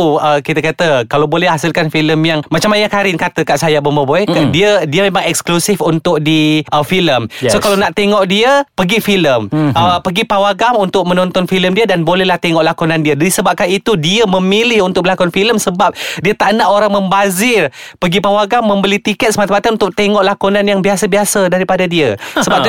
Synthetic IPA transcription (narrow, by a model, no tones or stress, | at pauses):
uəkit̪əkat̪əkalawbolɛhasilkanfiləmjaŋmat͡ʃamaɲakaɾɪnkat̪əkaʔsajabəməboɛkandiədiəmemaŋɛksklusɪfunt̪ʊk̚diʔəfiləmsokalawnaʔt̪eŋɔʔdiəpəɡifiləməpəɡipawaɡamunt̪ʊk̚mənɔ̃nt̪ɔnfiləmdiədanbolɛhlaht̪eŋɔʔlakunandiədadisəbap̚kanit̪udiəməmilɪhunt̪ʊk̚bəlakuanfiləmsəbap̚diət̪aʔnaʔoɾaŋmə̃mbazɪrpəɡipawaɡamːə̃mbəlit̪ikɛt̪̚səmat̪amat̪anunt̪ʊk̚t̪eŋɔʔlakunanjaŋbiasabiasədaɾipadadiəsəbbap̚